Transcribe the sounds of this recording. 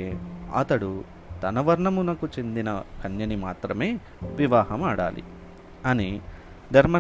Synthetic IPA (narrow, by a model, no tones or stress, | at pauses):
eɐ̰t̪ɐɽu | t̪ɐnɐʋɐɾɳɐmunɐkut͡ʃe̞nd̪inɐkʰɐnjɐnimaːt̪ɾɐme̞ː | ʋiʋaːɦɐmaːɽa̰ːlḭ | ɐni | d͡ʒɐɾmɐ